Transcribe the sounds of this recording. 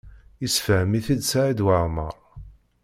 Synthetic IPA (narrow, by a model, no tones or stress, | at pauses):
isfəhmiθid̪saʕid̪waʁməɾˤ